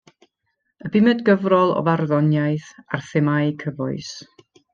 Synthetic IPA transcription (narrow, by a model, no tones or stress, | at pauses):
əbɪmɛdɡəvrɔlˠɔ̰varðɔnjajθarθɪmaɨkʰəvʊ̰ɨs